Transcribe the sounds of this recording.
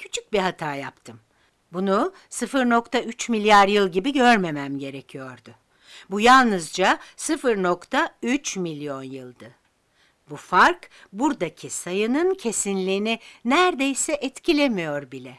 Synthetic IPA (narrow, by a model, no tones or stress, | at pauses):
cʰy̥t͡ʃʰyc̚biɦat̪ʰaːja̰pt̪ʰɯm | bunu | sɯfɯɾno̞kt̪ʰayt͡ʃmilʲjaɾjɯlˠɟibiɟøɾme̞mæmɟe̞ɾecʰijo̞ɾd̪ʊ | bujalˠnɯzd͡ʒasɯfɯɾno̞kt̪ʰayt͡ʃmilʲjo̞njɯlˠd̪ɯ | bufaɾk | buɾd̪acʰisajɯnɯncʰe̞sinlʲiːninæɾd̪e̞jsɛʔɛt̪cʰilʲe̞mijo̞ɾbilʲɛ